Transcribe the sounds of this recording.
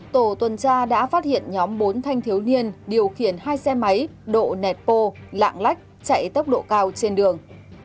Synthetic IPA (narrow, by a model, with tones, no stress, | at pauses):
t̪o˧˩t̪wə˨˩nt͡ɕaː˧ɗa̰ː˧˥faː˦˥t̚hḭ˧˨ənɲɔ˨˦mɓo˨˦nt̪ʰa˧jŋ̟t̪ʰi˨˦əwni˧ənɗi˨˩əwxi˧˩ənhaː˧jsɛ˧ma˨˦jɗo̰˧˨nɛ˨˩t̚po˧la̰ː˧˨ŋla˦˥jk̟̚t͡ɕa̰˧˨jt̪ə˦˥wk͡p̚ɗo̰˧˨kaː˧wt͡ɕe˧nɗɨ˨˩əŋ